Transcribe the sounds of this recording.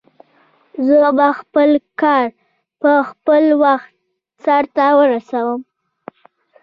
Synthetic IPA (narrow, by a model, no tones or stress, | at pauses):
zəbaxpəlkɑɾ | pəxpəlwaxt̪̚ | saɾt̪awəɾasawəm